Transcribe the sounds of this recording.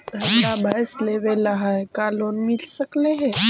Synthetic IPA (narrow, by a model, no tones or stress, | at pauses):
əʈabʱajsleʋelaɦajkalonmilsəkleɦe